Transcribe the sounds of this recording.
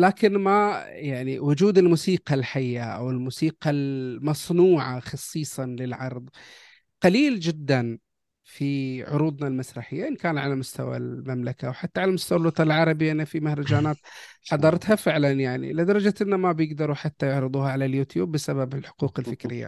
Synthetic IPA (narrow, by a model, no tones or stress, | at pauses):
laːkɪnmajaʕniwʊd͡ʒuːd̪ɪlmuːsiːqɑlħajːaʔa̰wɪlmuːsiːqɑlmɑsˤnuːʕaxɑsˤːiːsˤɑlɪlʕɑɾˤðˤ | qɑliːld͡ʒɪd̪ːan | fiʕʊ̰ɾuːd̪ˤnalmasɾˤɑħɪjːaʔɪnkaːnʕalamʊst̪awa̰lmamlakawħat̪ːaʕalamʊst̪awalwɑt̪ˤːɑlʕɑɾˤɑbɪjːaʔɪnːafimahɾˤɑd͡ʒaːnaːt̪ħɑd̪ˤɑɾˤt̪hafɪʕlanjaʕnḭlɪd̪ɑɾˤɑd͡ʒat̪ɪnːamabjɪɡd̪ɑɾˤuħat̪ːajʊʕɾɨd̪ˤuːhaʕalaljuːt̪juːbːɪsababɪlħʊ̥quːqɪlfɪkɾɪjːa̰